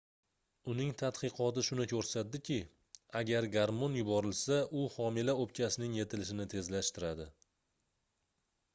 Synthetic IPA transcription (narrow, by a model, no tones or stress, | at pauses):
ʊnɪŋt̪ʰat̪qɨqʰɒt̪ɪʃʊnɪkʰʲɵɾsat̪̚d̪ɪkʲɪ | aɡʲaɾɡaɾmonjʊbɒɾɪlsaʔʊhɒmɪlaop̚kʲʰasɪnɪŋje̞t̪ʰɪlɪʃɪnɪt̪ʰe̞zlaʃt̪ɪɾad̪ɪ